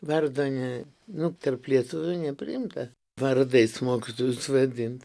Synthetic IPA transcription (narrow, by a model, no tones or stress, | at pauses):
ʋɐrd̪oːnʲɛ | nʊt̪ɐrplʲiɛt̪ʊʋʲʊnʲɛpʲɾʲɪ̰ɪmt̪ɐ | ʋɐɾd̪ɐɪsmoːkʲit̪oːjʊsʋɐd̪ʲɪnt̪